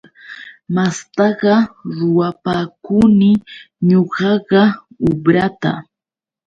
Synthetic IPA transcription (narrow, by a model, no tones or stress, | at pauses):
mast̪ɑɢɑɾʊwapaːkʊnɪ | ɲoɢɑɢɑ | ʊbɾat̪a̰